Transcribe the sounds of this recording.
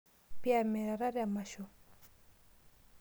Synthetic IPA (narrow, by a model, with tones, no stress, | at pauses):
piame˨ɾa˨ɾa˦ɾama˨ʃo˨